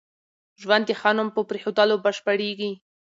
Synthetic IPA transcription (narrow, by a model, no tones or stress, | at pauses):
ʒwand̪exɑnʊmpəpɾexod̪alobəʃpəɽeɡi